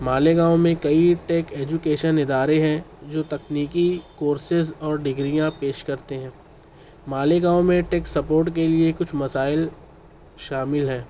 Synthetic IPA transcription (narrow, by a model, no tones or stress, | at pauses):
maːleɡãːomẽkɐiʈeːkeːd͡ʒʊkeːʃənɪd̪aːɾeɦɛ̃d͡ʒoːt̪ɐkniːkikoːɾsɪzɔːɾɖɪɡɾijãpeːʃkɐɾt̪eɦɛ̃ː | maːleɡãːwmẽʈeːksɐpoːɾʈkeliekʊt͡ʃʰmɐsaːɪl | ʃaːmɪlɦɛː